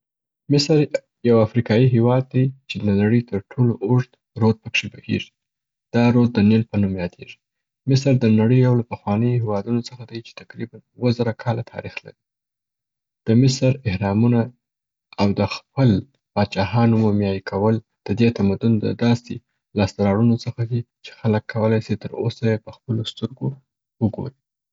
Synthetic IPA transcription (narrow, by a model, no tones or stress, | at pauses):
mɪsɾ | jawafɾikɑjiɦewɑd̪̚ːajt͡ʃed̪ənaɽəjt̪əɾʈʰoloʔʊʐd̪ | ɾod̪̚pəkʂebəhḛʐi | d̪̥ɑɾod̪̚ːənɪnpənumjɑd̪ḛʐi̥ | mɪsɾd̪ənaɽəjawlapəxwɑnəjoɦewɑd̪unot͡səxad̪ajt͡ʃe̥t̪aqɾibanuwəzaɾakʰɑlat̪ʰɑ̰ɾixla̰ɾi | d̪̥əmɪsɾɪhɾɑmuna | awd̪əxpəl | b̥ɑd̪̚t͡ʃɑɦɑnomumjɑjikʰawəl | d̪̥əd̪et̪amad̪ʊnd̪ə̰d̪ɑse | lɑst̪aɾɑɽunot͡səxad̪it͡ʃe̥xaləkʰːawəlɑjsit̪əɾo̰sajepəxpəlost̪əɾɡo | wəɡo̰ɾi